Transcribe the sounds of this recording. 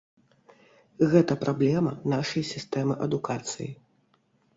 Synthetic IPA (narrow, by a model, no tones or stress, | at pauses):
ɣɛt̪ɐpɾʔablʲɛmɐnaʂɐjsʲist̪ɛmɨʔɐd̪ukat̪sɨ̰ji